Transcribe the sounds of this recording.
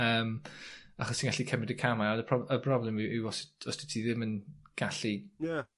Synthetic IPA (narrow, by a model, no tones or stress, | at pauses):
əːmaχɔstʰinɡaɬikʰɛmɪdəkʰamaɔnəpʰrɔəpʰrɔblˠɛmɪʔɪwɔsɔstɪtʰiðɪmənɡ̥aɬija